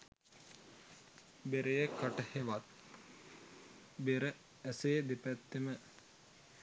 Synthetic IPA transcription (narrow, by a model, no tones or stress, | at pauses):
beɾejəkaʈəheʋat̪̚ | beɾə | æseːd̪epæt̪ːemə